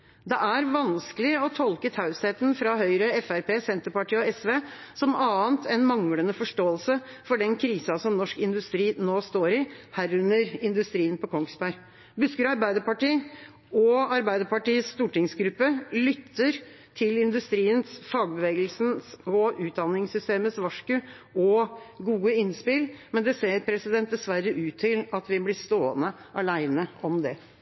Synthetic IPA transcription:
d̪ɛʔæɾʋɑnskəlɪɔt̪ʰɔlkət̪ʰɑʉsheːt̪nfɾɑhœʏɾəɛfæɾpeːsɛnt̪əpɑʈiːɔɛsʋeː | sɔmɑːənt̪ʰɛnmɑŋlənəfɔʂʈoːəlsə | fɔɖɛnkʰɾiːsɑsɔmnɔʂkɪnd̪ʉst̪ɾiːnoːst̪oːɾɪhæːɾʉnəɾɪnd̪ʉst̪ɾiːənpʰɔkʰɔŋsbæɾ | bʉskəɾɑɾbæɪd̪əɾpɑʈiː | ɔɑɾbæɪd̪əɾpɑʈiːəsst̪uːʈɪŋsɡɾʉpːəlʏt̪ʰːəɾ | t̪ʰɪlɪnd̪ʉst̪ɾiːənsfɑːɡ̚bəʋeːɡəlsnsɔʉːt̪̚d̪ɑnːɪŋsʏst̪eːməsʋɑʂkʉ | ɔɡuːəɪnspɪlmɛnd̪ɛseːɾpʰɾɛsɪd̪ɛnt̪̚d̪ɛsʋæɾːəʔʉːt̪ʰːɪlɑt̪ʋɪblɪst̪oːənəʔɑlæɪnəɔmd̪ɛ

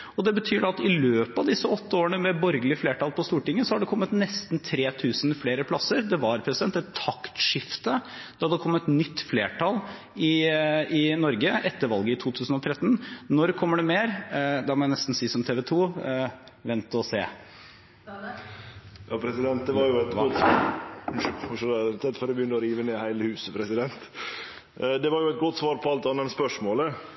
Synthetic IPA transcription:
ɔd̪ɛbət̪ʰyːɖɑt̪ɪløːpɑʋd̪ɪsːəɔt̪ʰːəoːɾənəmɛbɔɾɡəlɪəfleːʈɑːlpʰɔst̪uːʈɪŋːəsɔhɑɖɛkʰɔmːət̪nɛst̪nt̪ʰɾeːt̪ʰʉːsnfleːɾəpʰlɑsəɾd̪ɛʋɑɾpʰɾɛsɪd̪ɛnt̪ːɛt̪ʰːɑkt̪ʂɪft̪əd̪̥ɛhɑd̪ɛkʰɔmːət̪nʏt̪ːfleːʈʰɑl | ɪɪnɔɾɡəʔɛt̪ːəɾʋɑlɡəɪt̪ʰuːt̪ʰʉːsn̩ɔt̪ʰɾɛt̪ːn̩nɔɾkʰɔmːəɖɛmeːɾd̪ɑmɔjænɛst̪n̩siːsɔmt̪ʰeːʋɛt̪ʰuː | ʋɛnt̪ɔseː | jɑpʰɾɛsɪd̪ɛnt̪̚d̪ɛʋɑɾjʊɛt̪ɔt̪ː | ʂɔd̪ɛt̪ʰɛt̪ːfɔɾbəjʏnːəɔɾiːʋəneːhæɪləhʉːsəpʰɾɛsɪd̪ɛnt̪ | d̪ɛʋɑɾjʊɛt̪̚ɡɔt̪ːsʋɑːɾpʰɔɑlt̪ɑnɛnspœʂmoːlə

